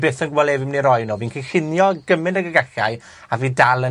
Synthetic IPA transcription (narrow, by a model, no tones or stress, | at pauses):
beːθənɡwɛlˠɛvɪmniɾɔjnoːviːnkʰiɬɪnjɔɡəmɪnəɡəɡaɬa̰j | aviːdalˠə